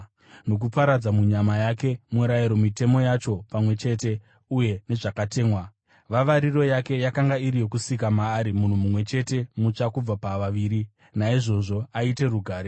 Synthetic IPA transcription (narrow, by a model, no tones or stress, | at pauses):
no̞k̬upaɾad͡zamuɲamajake̞muɾajiɾo̞mite̞mo̞jat͡ʃo̞pamwe̞t͡ʃe̞ːte̞ | uje̞ne̞ʐakate̞ːmwa | ʋaʋaɾiro̞jake̞jakaŋɡaiɾijo̞kusik̬amaːɾimun̤umumwe̞t͡ʃe̞te̞mut͡ʂakub͡vapaʋaʋiːɾi | naiʐo̞ʐo̞aite̞ruɡʱaːɾe